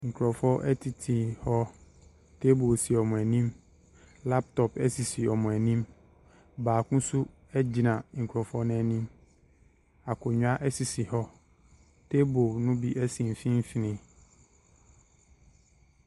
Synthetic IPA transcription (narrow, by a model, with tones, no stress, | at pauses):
ŋ̩˨kʰɾɔ˨fɔ˦ʔɛ˦tʰi˨tʰi˨hɔ˦ | tʰe˦bo˨si˨ɔ˨mʊ̃˨æ˨nĩ˦m | la˦p̚tʰɔ˨pɛ˦si˨si˨ɔ˨mʊ̃˨æ˨nĩ˦m | baː˨kʊ̃˦su˦ | ɛ˦d͡ʑi˨nã˨ŋ̩˨kʰɾɔ˨fɔ˦nɛ̃˨nĩ˦m | a˨kʰʊ˨ɲʊ̃˦a˦ʔɛ˦si˨si˨hɔ˦ | tʰe˦bo˨nʊ̃˦bi˦ʔɛ˦sĩ˨m̩˨fĩ˦m˦fi˨nɪ̃˦